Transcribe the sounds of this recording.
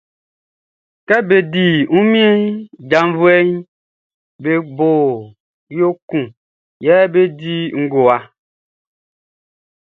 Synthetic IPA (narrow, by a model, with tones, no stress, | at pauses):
kɛ˦be˨di˨ŋũ˦mĩ˦ɛ˦ɲ˦d͡ʒa˨m˦vu˦ɛ˦ɲ˦ | be˨bo˨ | jo˦kũ˨ | jɛ˦be˦di˦ŋ̩˦ɡo˨a˨